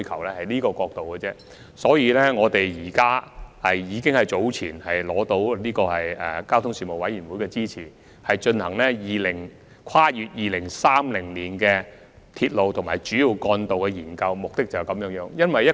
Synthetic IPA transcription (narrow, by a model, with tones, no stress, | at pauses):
jkʰɐ˨˩wlɛː˥hɐ˨jniː˥kɔː˧kɔː˧k̚t̪o˨wkɛ˧t͡sɛː˥ | sɔː˨˥jiː˨˧lɛː˥ŋɔː˨˧t̪e˨jjiː˨˩kaː˥ɐ˨jjiː˨˧kɪ˥ŋhɐ˨jt͡so˨˥wt͡sʰḭː˨˩nhɐ˨jlɔː˨˥t̪o˨˥wniː˥kɔː˧hɐ˨jɛ˨kaː˥wt̪ʰʊ˥ŋsiː˨˧mo˨˩wɐ˨˥jiː˨˩nwu˨˥jkɛː˧t͡siː˥t͡sʰiː˨˩ | hɐ˨jt͡ʃɵ˧nhɐ̰˨˩ŋlɛː˥jiː˨lɪ˨˩ŋ | kʰaː˥jyː˧t̚jiː˨lɪ˨˩ŋsaː˥mlɪ˨˩ŋliː˨˩nkɛ˧ | t̪ʰiː˧t̚lo˨wt̪ʰʊ˨˩ŋma̰ː˨˩jt͡ʃyː˨˥jiː˨˧wkɔː˧nt̪o˨wkɛ˧jiː˨˩nkɐ˧wmʊ˨k̚t̪ɪ˥k̚t͡sɐ˨wkɐ˨˥mjœː˨˥ŋjœː˨˥ŋjɐ˥nwɐ˨jɐ˥